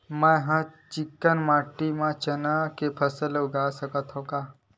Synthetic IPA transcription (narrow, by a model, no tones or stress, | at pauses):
mɛ̃ɦãt͡ʃɪkːənmaːʈːimãt͡ʃənakepʰəsəlʊɡaːsəkət̪ɦõkaː